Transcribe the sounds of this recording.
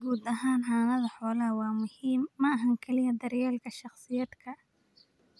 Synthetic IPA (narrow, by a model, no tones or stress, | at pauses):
ɡuːd̪ɐɦaːnħaːnɐðɐħɔːlɐwɑːmʊhiːmːɐɐɦɐŋkʰɛlɪjɐd̪ɐrjaːlkʰɐʃɑχsɪjɐd̪kʰɐ